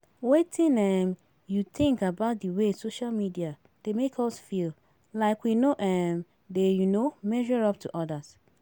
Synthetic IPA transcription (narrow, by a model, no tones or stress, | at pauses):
wetʰĩnɛm | juθɪ̃ŋkabaʊt̚diwesoʃalmidia | d̥emekʰɔsfil | laɪkwinoʔɛm | dejunomɛʒɔɹɔp̚tʰuʔɔdas